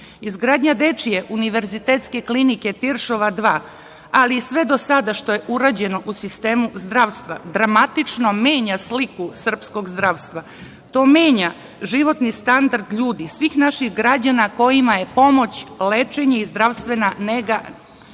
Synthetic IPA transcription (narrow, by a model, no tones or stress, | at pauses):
izɡɾaːd̪ɲad̪e̞t͡ʃijeʔuniʋe̞ɾzit̪eːt̪ske̞klinike̞t̪iɾʃo̞ʋad̪ʋaː | aliːsʋe̞d̪o̞sad̪aʃt̪o̞je̞ʔuɾad͡ʑe̞no̞ʔusist̪e̞ːmuzd̪ɾaʋst̪ʋad̪ɾamat̪it͡ʂno̞me̞ːɲaslikusr̩psko̞ɡzd̪ɾaʋst̪ʋa | t̪o̞ːmeːɲa | ʒiʋo̞t̪nist̪and̪aɾd̪ʎuːd̪isʋixnaʃixɡɾad͡ʑanako̞jimaje̞po̞mo̞t͡ɕlet͡ʃe̞ɲeizd̪ɾaʋst̪ʋe̞naneɡa